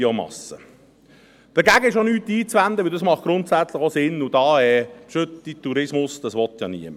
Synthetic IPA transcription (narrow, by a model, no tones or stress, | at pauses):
omɑ̰sə | d̥əɡæɡəɪʃonyːt̪ːiːt͡sʋænd̪əʋɪld̪ɑsmɑχt̚ɡ̥ɾʊnt̪sæt͡sləχosɪnːʊd̪ɑːɛʃøt̪ːit̪uɾɪsmʊsd̥̪ɑsʋɔt̪jɑ̰nḭəm